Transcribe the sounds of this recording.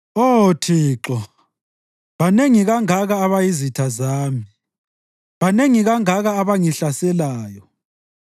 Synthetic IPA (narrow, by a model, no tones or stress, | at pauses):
otʰiːǁɔ | βaneŋiɣaŋaɣaːβajizitʰazaːmi | βaneŋiɣaŋaɣaːβaŋiɬasɛlaːjɔ